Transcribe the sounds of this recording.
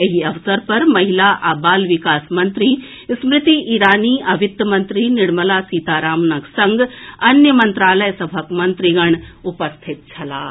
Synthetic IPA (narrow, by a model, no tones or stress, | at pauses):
ɐɦiɐʋsəɾpɐɾmɐɦilaʔaːbaːlʋɪkaːsmɐ̃nt̪ɾi | smɾɪt̪iʔiːɾaːniːʔɐʋɪt̪jmɐ̃nt̪ɾinɪɽməlaːsiːt̪aːɾaːmnɐɡsɐ̃ŋɡɐnjəmɐ̃nt̪ɾaːləjsɐbʱəkmɐ̃nt̪ɾiɡɐɳʊpɐst̪ʰɪt̪̚t͡ʃʰɐlaː